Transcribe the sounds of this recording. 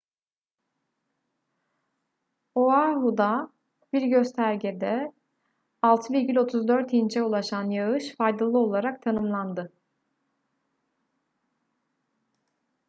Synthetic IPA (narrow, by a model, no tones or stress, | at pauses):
oaɦud̪a | b̥iɾɟø̞st̪ʰæɾɟed̪ɛ | alˠt̪ʰɯviɾʲɟilʲo̞t̪ʰuzd̪øɾt̪int͡ʃʰɛulˠaʃanjaɯʃfajd̪alˠɯo̞lˠaɾak̚t̪ʰanɯmlˠand̪ɯ